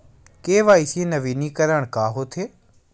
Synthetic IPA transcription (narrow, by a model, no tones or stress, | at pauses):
keːʋaːɪsiẽnəʋiːniːkəɾəɽ̃kaːɦoːt̪ʰeː